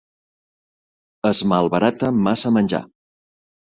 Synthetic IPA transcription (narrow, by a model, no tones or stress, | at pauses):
əzməlˠβəɾat̪əmasəmənʲʒa̰